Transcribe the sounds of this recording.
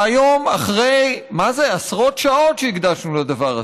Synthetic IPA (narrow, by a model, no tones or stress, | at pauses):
ajo̞maχʁejmazeasʁo̞t̪ʃao̞tʃeiɡd̪aʃnulad̪avaʁa̰